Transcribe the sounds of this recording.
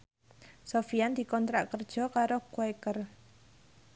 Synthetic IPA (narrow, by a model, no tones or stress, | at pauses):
sofiand̪̥i̤kɔnt̪ɾaʔkərd̥ʒ̥ɔ̤kaɾokwakər